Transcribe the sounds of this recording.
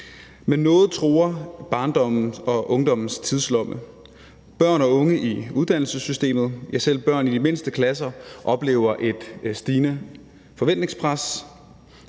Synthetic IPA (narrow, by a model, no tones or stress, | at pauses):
menːɔ̽ːð̞̩ˠt͡sʰʁoːɐb̥ɑ̈ːnd̥ɒ̽m̰n̩ɒ̽ʔɔ̽ŋd̥ɒ̽mn̩st͡sʰið̞ˠslɒ̽mə | b̥ɶɐ̰nɒ̽ɔ̽ŋəʔiuð̞ˠd̥æn̰l̩səsysd̥e̝̰ːmð̞̩ˠjɑɪsel̰b̥ɶɐ̰nid̥ime̝nsd̥əkʰlæsɐʔɒ̽b̥le̝̰ːʊɐʔe̝d̥sd̥iːnə | fɒ̽ʋen̰d̥ne̝ŋspʰʁas